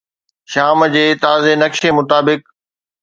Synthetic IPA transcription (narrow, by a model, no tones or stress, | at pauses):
ʃaːmd͡ʑeːt̪aːzenɐkʃemʊt̪aːbɪk